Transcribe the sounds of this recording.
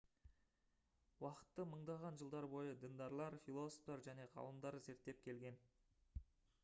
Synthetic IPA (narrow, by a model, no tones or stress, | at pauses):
wɑqə̥t̪ːəməɴd̪ɑʁɑnʒəlˠd̪ɑɾbo̞jəd̪ɪnd̪ɑɾlˠɑɾfilˠo̞so̥ft̪ɑɾʒæne̞qʰɑ̰lˠəmd̪ɑɾze̞ɾt̪ːe̞p̚kʲʰe̞lɡʲe̞n